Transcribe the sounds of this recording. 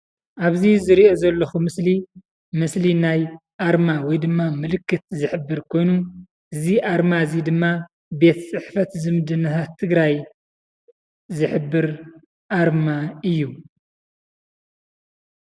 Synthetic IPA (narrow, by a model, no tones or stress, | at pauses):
ʔaβzizɨɾiozɐlːɐxumɨsli | mɨslinajʔaɾmawɔjd̪ɨmːamɨlɨkːɨt̪zɨħɨbːɨɾkʰo̞jnu | ʔɨziʔaɾmazid̪ɨmːa | be̞t̪t͡sʼɨħfɐt̪zɨmɨd̪ɨnːɐt̪ʰat̪ʰːɨɡɾaj | zɨħɨbːɨɾ | ʔaɾmaɨjːu